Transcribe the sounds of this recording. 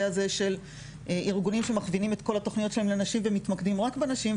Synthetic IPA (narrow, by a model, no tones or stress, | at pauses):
azeʃe̞l | ʔiʁɡunimʃe̞maχvinimet̪ko̞lato̞χnijotʃelaelenaʃimvemitmakdimʁakbenaʃim